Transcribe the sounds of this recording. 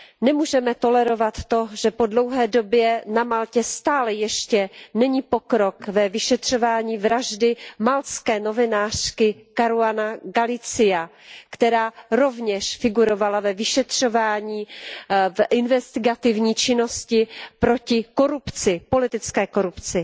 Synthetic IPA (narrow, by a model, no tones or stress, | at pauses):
nɛmuːʒɛmɛt̪o̞lɛɾo̞vat̪ːo̞ʒɛpo̞dlo̞wɦɛːdo̞bjɛnamalcɛst̪aːlɛjɛʃcɛnɛɲiːpo̞kɾo̞kvɛvɪʃɛt̪r̝̥o̞vaːɲiːvɾaʒdɪmalt͡skɛːno̞vɪnaːr̥kɪkaɾuanaɡalɪt͡sɪja | kt̪ɛɾaːɾo̞vɲɛʃfɪɡuɾo̞valavɛvɪʃɛt̪r̝̥o̞vaːɲiːvʔɪnvɛst̪ɪɡat̪ɪvɲiːt͡ʃɪno̞scɪpɾo̞cɪko̞ɾupt͡sɪpo̞lɪt̪ɪt͡skɛːko̞ɾupt͡sɪ